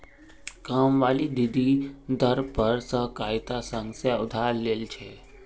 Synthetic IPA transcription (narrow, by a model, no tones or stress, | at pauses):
kaːmʋaːlid̪id̪ʱid̪ʱəɾpəɾsəɦkajt̪asə̃ŋɡsaʊd̪ʱaːɾːeːlt͡ʃʰe